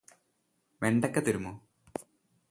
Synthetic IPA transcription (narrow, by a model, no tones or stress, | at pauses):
ʋeɳɖɐkːet̪uɾumːoː